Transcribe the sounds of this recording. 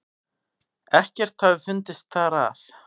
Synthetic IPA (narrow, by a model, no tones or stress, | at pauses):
ɛhcɛɾ̥t̪θaðfʏnt̪ɪst̪θaɾa̰l